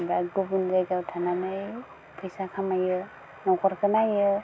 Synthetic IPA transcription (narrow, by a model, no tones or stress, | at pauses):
bakɡubundaɡawtʰananɯj | pʰɯjsakʰamajɯ | nɔkɔɾkʰɯnajɯ